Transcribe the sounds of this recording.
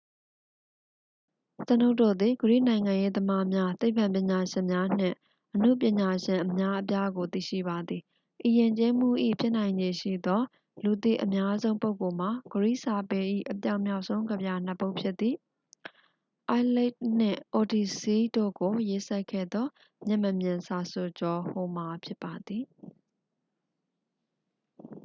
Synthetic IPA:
səno˦ʊtːo̰˦˨d̪i˨ɡəɹḭ˦˨nã˨ɪ̃ŋã˨je˦d̪əma˦mja˦t̪e˦ɪ̃˨pʰã˨mp̬jɪ̃˨ɲa˨ʃɪ̃˨mja˦n̥ɪ̰̃˦˨ | ʔən̥ṵ˦˨p̬jɪ̃˨ɲa˨ʃɪ̃˨ʔəmja˦ʔəp̬ja˦ɡo˨t̪ḭ˦˨ʃḭ˦˨ba˨d̪ði˨ | ʔi˨jɪ̃˨ɲt͡ɕe˦m̥ṵ˦˨ʔḭ˦˨pʰjɪ˦ʔn̥ã˨ɪ̃ɲd͡ʑe˨ʃḭ˦˨d̪ɔ˦ | lu˨t̪ḭ˦˨ʔəmja˦zõ˦ʊ̃mpo˦ʊko˨m̥a˨ɡəɹḭ˦˨ʔsa˨pɛ˨ʔḭ˦˨ʔəpja˦ʊʔm̥ja˦ʊʔsõ˦ʊ̃ŋɡə˨bja˨n̥ə˨po˦ʊʔpʰjɪ˦t̪̚ːi˨ | ʔa˦lɛ˦t̚n̥ɪ̰̃˦˨ʔo˨di˨si˦do̰˦˨ɡo˨je˦sa˦ɪkʰːɛ̰˦˨d̪ɔ˦ | mjɪ̃˦˨məmjɪ̃˨nsa˨so˨t͡ɕɔ˨ho˨ma˨pʰjɪ˦pːa˨d̪ði˨

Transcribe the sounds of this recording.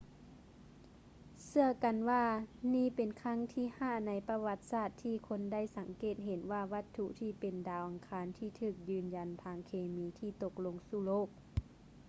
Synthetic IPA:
sɯ˧ɐka˨nwaː˧niː˧˥˨pe˨nkʰa˧˥˨ŋt̪ʰiː˧˨haː˧˩na˨˥jpa˧wa˧˥t̪̚saː˧˥˩t̪ʰːiː˧˨kʰo˧˥nda˥˨jsa˨˩˦ŋkeː˧˨˩t̪̚ɦe˨˦nwaː˧˩ʋa˧˥t̪ʰːu˧˨ʔt̪ʰiː˧˩pe˨ndaː˨˦wʔa˨˩ŋkʰaː˧˦nt̪ʰiː˧˩t̪ʰɯː˧˩k̚jɯː˧˩nja˨nt̪ʰaː˧˥ŋkʰeː˧miː˧˥t̪ʰiː˧t̪o˧k̚lo˧ŋsuː˧˩loː˥˩k̚

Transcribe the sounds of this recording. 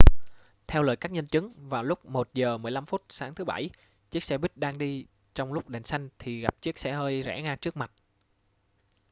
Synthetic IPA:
t̪ʰɛ˧wlə̰ː˨˩jkaː˦˥k̚ɲə˧nt͡ɕɨ˨˦ŋvaː˨˩wlʊ˦˥k͡p̚mo˨˩t̚zəː˨˩mɨ˨˩əjla˧mfu˦˥t̚saː˨˦ŋt̪ʰɨ˨˦ɓa̰˧˩j | t͡ɕi˦˥ək̚sɛ˧ɓi˦˥t̚ɗaː˧ŋɗi˧ | t͡ɕɔ˧wŋ͡mlʊ˦˥k͡p̚ɗe˨˩nsa˧jŋ̟t̪ʰi˨˩ɣa˨˩p̚t͡ɕi˦˥ək̚sɛ˧həː˧jzɛ̰˧˩ŋaː˧t͡ɕɨ˦˥ək̚ma˨˩t̚

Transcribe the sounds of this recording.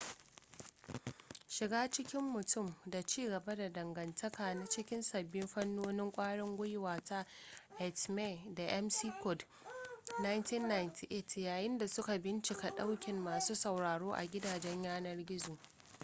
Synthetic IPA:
ʃɪ˨ɡaː˦t͡ʃɪ˦kʲɪ˦mːʊ˨tʊ˦˨mda˨t͡ʃiː˦ɡɐ˨ba˦da˨dɐ˨ŋɡɐ˨ntʰɐ˦kaː˨na˦t͡ʃɪ˦kʲɪ˦nsɐ˨bːɪ˦mɸɐ˦nːoː˦nɪ˦ŋkʷʼaː˦ɽɪ˦ŋɡʷʊ˦jwaː˨ta˦ʔɛ˨tme˦˨da˨ʔɛ˦msi˦kɔ˨d | na˦jntɪ˦nːa˨jnti˨ʔe˦˨tjaː˨jɪ˦nda˨sʊ˦ka˨bɪ˦nt͡ʃɪ˨ka˨ɗa˦wkʲɪ˨mːaː˨suː˦sɐ˨wɽaː˨ɽoː˦ʔa̰˨ɡʲɪ˦daː˨d͡ʒɛ˦ɲjaː˦nɐ˦rɡʲɪ˦zoː˨

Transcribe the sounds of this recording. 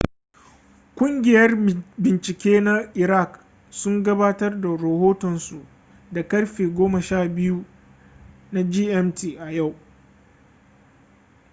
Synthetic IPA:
kʷʊ˦ŋɡʲɪ˨jɐ˦rbɪ˨nt͡ʃɪ˨kʲeː˦na˦ʔɪ˨ɾa˦˨k | sʊ˦ŋɡɐ˦baː˦tɐ˦rda˨ɾɐ˨hoː˦tɔ˨nsu˨ʔ | da˨kɐ˦rɸeː˨ɡʷoː˦mɐ˨ʃaː˦˨bɪ˦ju˦ | na˦d͡ʒiː˦ʔɛ˦mtiː˨ʔa˨ja˦˨w

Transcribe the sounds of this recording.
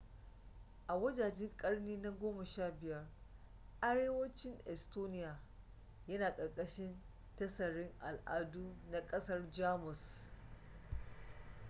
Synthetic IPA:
ʔa˨wɐ˦d͡ʒaː˨d͡ʒɪ˦ŋkʼɐ˦rniː˦na˦ɡʷoː˦mɐ˨ʃaː˦˨bɪ˨jɐ˦r | ʔa˦ɽeː˦wɐ˦t͡ʃɪ˦ŋʔɛ˨stoː˦nɪ˦ja˨ | jɐ˦naː˨kʼɐ˨rkʼɐ˦ʃɪ˦n | tɐ˦sɐ˨ɽɪ˦ŋʔa˨lʔa̰ː˨˦duː˦na˨kʼɐ˦sɐ˦rd͡ʒaː˦mʊ˨s

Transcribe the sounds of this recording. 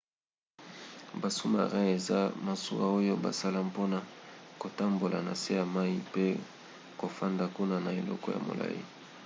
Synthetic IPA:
ba˨su˦ma̰˨ʁa˦e˨za˦ma˨su˦a̰˦o˦jo˦ba̰˨sa˦la˦mpo˦na˨ko˨ta˦mbo˨la˨na˨se˦ja˨ma˦i˦pe˦ | ko˨fa˦nda˨ku˦na˦˨na˨e˨lɔ̰˦kɔ˦ja̰˨mo̰˨la̰˦jḭ˦

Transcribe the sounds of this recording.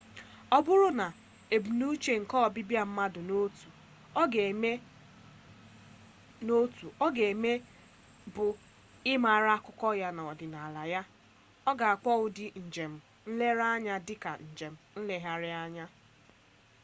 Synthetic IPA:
ɔ˦bʊ˦ɾʊ˦na˨ | e˨bu˨nu˦t͡ʃe˨ŋ̩˨kɔ˦˨bɪ˦bja˦˨m̩˦ma˦dʊ˨no˦tu˨ | ɔ˦ɡe˨me˦ | no˦tu˨ɔ˦ɡe˨e˨me˦ | bʊ˨ | ɪ˦ma˨ɾa˦a˦kʊ˦kɔ˦ja˦na˨ɔ˨dɪ˨na˨a˨la˨ja˦ | ɔ˦ɡa˨a˨k͡pʷɔ˦ʊ˦dɪ˦˨n̩˨d͡ʒe˨m̩˨ | n̩˦le˦ɾa˦ɲa˦dɪ˦ka˨n̩˨d͡ʒe˨m̩˨n̩˦le˨ɦa˦ɾɪ˦a˦ɲa˦

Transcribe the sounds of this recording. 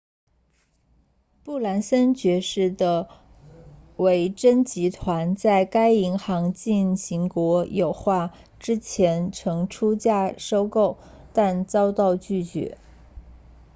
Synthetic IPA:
pu˥˩la˧˥nsə˥nt͡ɕɥɛ˧˥ʂɻ̩˥˩d̪ə˩ | we˧˥˩ɪʈ͡ʂə˥nt͡ɕi˧˥t̪ʰwa˧˥nt͡sa˥˩ɪka˥ɪi˧˥ŋxɑ˧˥ŋt͡ɕi˥˩nɕi˧˥ŋkwɔ˧˥jo˨˩ʊxwa˥˩ | ʈ͡ʂɻ̩˥t͡ɕʰjɛ˧˥nʈ͡ʂʰɤ˧˥ŋʈ͡ʂʰu˥t͡ɕja˥˩ʂo˥ʊko˥˩ʊ | t̪a˥˧nt͡sɑ˥ʊt̪ɑ˥˧ʊt͡ɕy˥˩t͡ɕɥɛ̰˧˥

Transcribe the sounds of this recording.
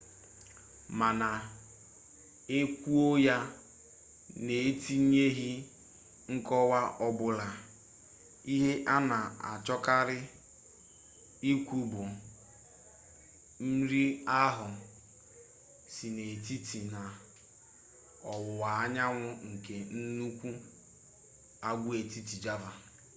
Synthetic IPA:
ma˨na˨ | e˦kʷu˦o˦ja˦ | ne˨˦ti˦ɲe˦ɦi˦ | ŋ̩˦kɔ˦wa˦ʔɔ˦bʊ˦la˨ | i˦ɦe˦ʔa˦na˨a̰˨t͡ʃɔ˦ka˦ɾɪ˦ | i˦kʷu˦bʊ˨ | m̩˦ɾi˦a˦ɦʊ˨ | si˨ne˨ti˦ti˨na˨ | ɔ˨wʊ˨wa˨a˦ɲa˦ŋʷʊ˦ŋ̩˨ke˨n̩˦nu˦kʷu˦ | a˦˨ɡʷu˦e˨ti˦ti˨d͡ʒa˦va˨

